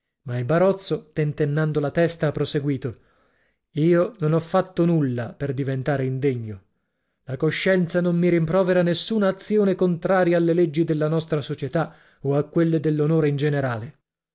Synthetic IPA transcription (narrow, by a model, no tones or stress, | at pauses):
mailbaɾɔt̪sːot̪ent̪enːand̪olat̪ɛst̪aapːɾoseɡwiːt̪o | iːononɔfːat̪ːonulːaperd̪ivent̪aːɾeind̪eɲːo | lakoʃːɛnt̪sanommiɾimpɾɔːveɾanesːuːnaːt̪sːjoːnekont̪ɾaːɾjaːlːeled͡ʒːid̪elːanɔst̪ɾasot͡ʃet̪a | oakːwelːed̪elːonoːɾeind͡ʒeneɾaːle